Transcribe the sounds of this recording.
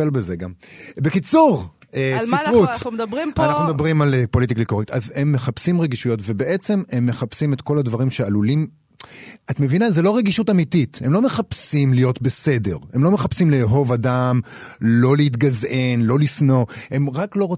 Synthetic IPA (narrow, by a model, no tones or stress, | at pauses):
elbezeɡambekit͡suʁ | esifʁutmanaχnumed̪abʁimalepo̞lit̬iklikoit̪aze̞mːe̞χapsimʁeɡiʃujo̞tve̞beʔe̞t͡se̞me̞mːe̞χapsimetko̞ladvaʁimʃealulim | atme̞vinazelo̞ʁeɡiʃutamitite̞mlo̞me̞χapsimlijo̞tbe̞se̞de̞̰ʁe̞mlo̞me̞χapsimleɦo̞vadamlo̞leit̬ɡaze̞nlo̞lisno̞e̞mʁaklo̞ʁo